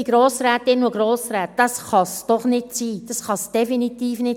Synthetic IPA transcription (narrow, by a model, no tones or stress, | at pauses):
iɡɾoːsɾæːt̪ːɪnuɡɾoːsɾæːt̚d̥ɑsχɑsd̥ɔχnɪtsiːd̥ɑsχɑsd̥ɛfinitiːfnɪt